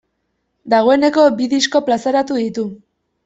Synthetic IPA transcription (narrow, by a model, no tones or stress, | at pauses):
d̪aɣ̞o̞e̞ne̞ko̞biðisko̞plasaɾat̪uðit̪u